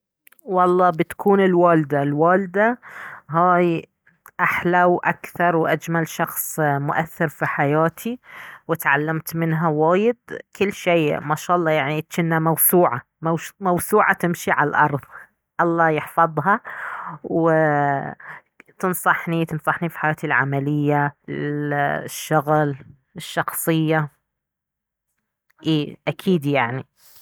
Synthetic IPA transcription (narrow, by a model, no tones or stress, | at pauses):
wɑlˤːɑːbɪt̪ḁkʰuːnɪlwaːld̪alwaːld̪aɦaːj | ʔaħlawʔakθɑɾˤwʔad͡ʒmalʃɑxsˤmʊʔa̰θːɪɾfiħajaːt̪ʰiwɪt̪ʕalːamt̪mɪnɦawaːjɪd̪̚kɪlːʃiːmaʃaːʔɑlˤːɑːjaʕnit͡ʃɪnːamawsuːʕa | mawmawsuːʕat̪ɪmʃiʕallʔɑ̰ɾˤðˤ | ʔɑlˤːɑːjɪħfɑðˤɦɑ | wɪ | t̪ɨnsˤɑħnit̪ɨnsˤɑħnifi̥ħajaːt̪ilʕa̰malɪjːa | ʃːʊɣl | ɪʃːɑxsˤɨjːa | ʔeːʔakʰiːd̪jaʕni